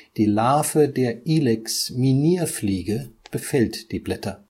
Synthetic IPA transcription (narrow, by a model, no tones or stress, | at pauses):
d̥iːlaːfədeːɐʔiːlɛksminiːɐfliːɡəb̥əfɛltd̥iːblɛtɐ